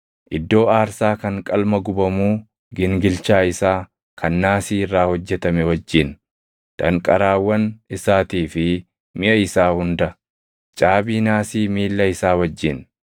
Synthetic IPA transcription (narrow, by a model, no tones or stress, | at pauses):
ʔɪd̪ːo̞ːaːɾsaːkɐŋkʼɐlmɐɡʊbɐmuː | ɡɪŋɡɪlt͡ʃaːɪsaː | kʰɐnːaːsiːɪrːaːhɔd͡ʒːɛt̪ɐmɛwɐd͡ʒːɪn | d̪̥ɐŋkʼɐɾaːwːɐnɪsaːt̪iːfɪ | mɪʔɐɪsaːhʊnd̪ɐ | t͡ʃʼaːbiːnaːsiːmiːlːɐɪsaːwɐd͡ʒːɪn